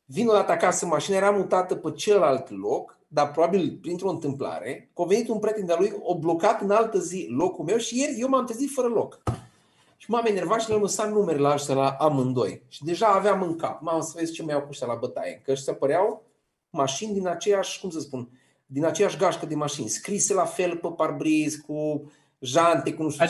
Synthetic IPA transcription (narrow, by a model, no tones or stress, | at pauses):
vino̞d̪at̪əakasəɨmaʃinajeɾamut̪at̪əpət͡ʃelalt̪lo̞k | d̪arpɾobabilpɾint̪ɾo̞ɨnt̪ɨmpla̰ɾḛkove̞nit̪unpɾet̪end̪alujoblo̞kat̪ɨnalt̪əzilo̞kulme̞wʃije̞rʲje̞wmamt̪ɾezit̪fəɾəlo̞k | ʃimamene̞rvat̪ʃinelməsanumeɾlaʒselaʔamɨnd̪o̞̰jʃid̪e̞ʒaːveamɨŋka̰p̚mamsəvest͡ʃeməjawkuʃt̪alabət̪a̰jḛnkəəʃt̪apəɾeaw | maʃind̪inat͡ʃejaʃʲkumsəspun | d̪inat͡ʃejaʃɡaʃkəd̪e̞maʃinʲskɾiselafe̞lpəparbɾizkʰu | ʒant̪e̞kunuʃt̪